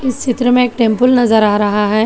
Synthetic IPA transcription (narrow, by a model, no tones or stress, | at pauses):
ɪst͡ʃʰɪt̪ɾəmẽeːk̚ʈẽːmpəlnɐzəɾaːɾɐɦaɦɛː